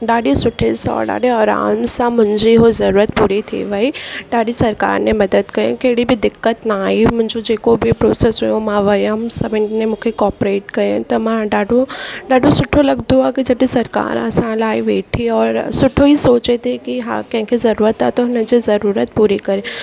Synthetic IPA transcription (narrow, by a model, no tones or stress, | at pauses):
ɖaːɖisʊʈʰːesɔ̰ːɖa̰ːɖeɔːɾa̰ːmsamʊ̃nd͡ʒiɦozɐɾuːɾət̪̚puːɾit̪ʰḭʋɐiɖaːɖisɐɾka̰ːɾnemɐd̪əd̪kɐɾḛ̃keːɽibʱid̪ɪkːət̪nɐaːimʊ̃nd͡ʒod͡ʒeːkobʱipɾoːsesɦujomãːʋɐjɦɐmsɐbɪnemʊ̃kʰekɔːpɾeːʈkɐɾẽt̪omãɖaːɖoɖaːɖosʊʈʰːolɐɡd̪ũãkid͡ʒɐʈisɐɾka̰ːɾa̰ːsãːlaːiʋeːʈʰiɔːɾsʊʈʰːoisoːt͡ʃet̪ʰekiɦã̰kɛ̃ɦkʰizɐɾuːɾət̪a̰t̪oɦnẽd͡ʒezɐɾuːɾət̪̚puːɾikɐɾẽ